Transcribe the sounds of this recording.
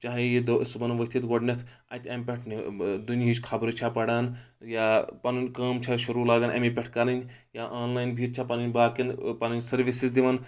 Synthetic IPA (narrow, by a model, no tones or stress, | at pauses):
t͡ʃaːɦjid̪oʔisbɐnʋɐt̪ʰit̪ɡoɖnʲɐt̪ʰ | ɐ̰t̪ʲɐmʲpʲeʈʰnid̪unit͡ʃkʰɐbɾɨt͡ʃʰapɐɽaːn | japɐnunʲkaːmt͡ʃʰaʃuɾuːlaːɡɐnʔɐ̰mipʲɛʈʰkɐɾɐnʲ | jaʔaːnlaːjnbʱiːt̪̚t͡ʃʰapɐninʲbaːkinpɐninʲsɐɾʋisizd̪iʋɐn